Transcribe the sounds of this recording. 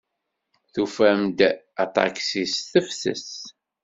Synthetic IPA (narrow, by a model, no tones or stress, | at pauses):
θufæmd̪ | ɑt̪ˤɑ̰ksisθəfsə̰s